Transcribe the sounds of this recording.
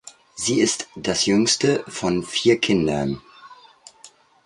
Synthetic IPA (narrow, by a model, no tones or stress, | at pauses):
ziːɪstd̥asjʏŋstəfɔnfiːɐkʰɪndɐ̰n